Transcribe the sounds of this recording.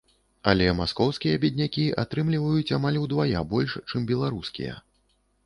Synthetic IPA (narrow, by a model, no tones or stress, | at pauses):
alʲɛmaskɔwskʲijɐbʲid̪ʲnʲakʲiʔat̪ɾɨmlʲivɐjut͡sʲamalʲwd̪vaja̰bɔlʲʂt͡ʂɨmbʲɛlˠaɾuskʲḭjɛ̰